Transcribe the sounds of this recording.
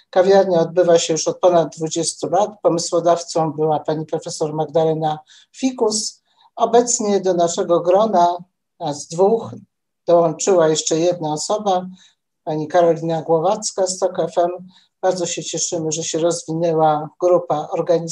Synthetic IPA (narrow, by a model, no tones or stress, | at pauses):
kavʲjaɾɲaɔd̪̚bɘvaɕɛjuʂɔt̪̚pɔnad̪̚d̪ːvud͡ʑest̪ulat̪pɔmɘswɔd̪aft̪sɔ̃w̃bɘwapaɲipɾɔfɛsɔɾmaɡd̪alɛna | fʲikus | ɔbɛt̪sɲɛd̪ɔnaʂɛɡɔɡɾɔna | zd̪vux | d̪̥ɔwɔnt͡ʂɘwajɛʂt͡ʂɛjɛd̪̚naɔsɔba | paɲikaɾɔlʲinaɡwɔvat̪skast̪ɔkɛfɛm | b̥aɾd̪zɔɕɛt͡ɕɛʂɘmɘʐɛɕɛɾɔzvʲinɛwaɡɾupaʔɔɾɡaɲi